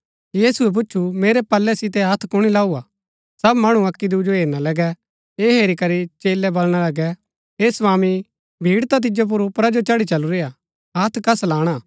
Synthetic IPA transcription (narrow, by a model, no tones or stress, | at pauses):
jiːsuɛp̬ʊt͡ʃʰumeːɾɛpɐlːɛsɪt̪ɛɐt̪ʰkʊɽ̃ilaːuaː | sɐbmɐɽ̃uɐkːid̪ud͡ʒoɦeːɾnalɐɡɛ | eːɦeːɾikɐɾit͡ʃeːlɛbɐlɽ̃alɐɡɛ | eːsʋaːmi | bʱiːɽt̪at̪̬ɪd͡ʒop̬ʊɾʊpɾad͡ʒot͡ʃɐɽit͡ʃɐluɾea | ɐt̪ʰkɐslaːɽ̃aː